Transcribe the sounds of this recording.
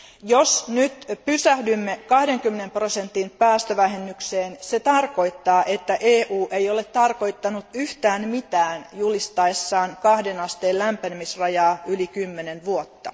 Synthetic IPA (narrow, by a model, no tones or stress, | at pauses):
josnyt̪pysæhdymːekɑhde̞ŋkymːene̞mpro̞se̞nt̪ːimpæːst̪øʋæɦenːykseːnse̞t̪ɑrko̞it̪ːɑːʔe̞t̪ːæʔeːʔuːʔe̞jo̞le̞t̪tːɑrko̞jt̪ːɑnut̪yht̪æːnmit̪æːnjulist̪ɑesːɑːŋkɑhde̞nɑst̪eːllæmpænemisrɑjɑːylikymːenenʋuot̪ːɑ